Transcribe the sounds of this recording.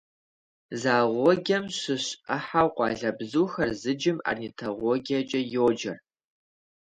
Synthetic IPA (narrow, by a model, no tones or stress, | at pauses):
zaːʁʷɔɡʲɐmɕɪɕɐħawqʷʼɑ̰ːɮɐbzuːxɐrzɨd͡ʒɪma̰rnitʰɐʁʷɔɡʲɐt͡ʃʼɐjoːd͡ʒɐr